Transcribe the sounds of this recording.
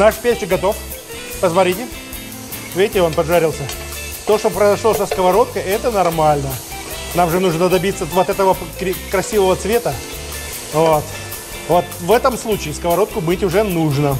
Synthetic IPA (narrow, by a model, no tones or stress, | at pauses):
naʂpʲesʲɪɡɐt̪o̞f | pəsmɐt̪ɾʲitʲɪ | vʲetʲɪo̞npɐʐaɾʲɪlˠsʲə | t̪oʂt̪opɾəɪzɐʂlˠosəskəvɐɾo̞t̪̚kəɛt̪ənɐrmalʲnə | namʐɨnuʐnəd̪ɐbʲit̪səvot̪ɛt̪əvəkɪkɾɐsʲivəvət̪svʲe̞t̪ə | vot̪ | vot̪vɛt̪əmslˠut͡ɕɪːskəvɐɾo̞t̪̚kʊbɨtʲʊʐɛnuʐnə